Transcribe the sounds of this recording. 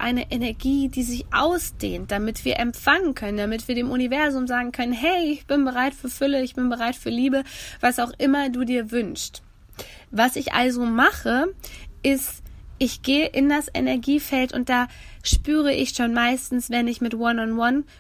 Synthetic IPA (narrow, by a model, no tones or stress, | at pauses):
ʔa̰ɪnəʔɛnɛɐɡiːdiːzɪçʔa̰ʊsd̥ḛːnt̚d̥amɪtv̥iːɐʔɛmfaŋənkʰœnənd̥amɪtv̥iːɐdeːmʔʊnivɛɐzʊmzaːɡŋ̩kʰœnənɦɛɪɪçb̥ɪnbəʁaɪtfyːɐfʏləɪçb̥ɪnbəʁaɪtfyːɐliːbəv̥asaʊxʔɪmɐduːdiːɐvʏnst | vasɪçʔa̰lzomaχəʔɪstʔɪçɡ̥eːəʔɪndasʔɛ̰nɛɐɡiːfɛltʊ̰nt̚d̥aːʃpyːʁ̞əʔɪ̰çʃoːnmaɪstn̩sv̥ɛnɪçmɪtwɔnʊntwɔn